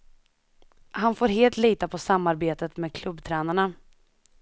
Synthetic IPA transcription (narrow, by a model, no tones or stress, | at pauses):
hanfoːɾɦeːlt̪liːt̪apʰɔsamːaɾbeːt̪ət̪meːd̪kʰlɵbːt̪ʰɾɛːnaɳa